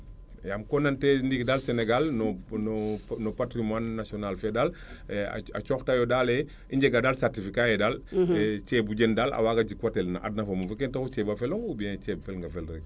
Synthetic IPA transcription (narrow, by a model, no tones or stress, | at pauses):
jamkɔnantɛndikdalsɛnɛɡalnɔnɔnɔpatɾimwanːasiɔnalfɛdal̰ | a̰t͡ʃɔxtajɔdalɛ | iɲɟɛɡadalsartifikaɛdalt͡ʃɛbuɟendala̰waːɡad͡ʒikwatɛlna̰ʔa̰dnafamufukɛntakut͡ʃɛbafɛloŋubiɛ̃t͡ʃɛbfɛlŋɡafɛlɾɛɡ̚